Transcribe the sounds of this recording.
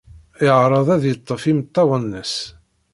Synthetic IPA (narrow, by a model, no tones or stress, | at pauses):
ɪʕɾˤɑðˤæðjət̪ˤːəfimət̪ˤːɑwənːəs